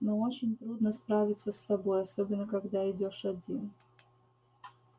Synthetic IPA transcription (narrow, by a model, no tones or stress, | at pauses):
noot͡ɕɪnʲt̪ɾud̪nəspɾavʲɪt̪səst̪ɐbo̞jɐsobʲɪnːəkɐɡd̪aɪdʲoʂɐdʲin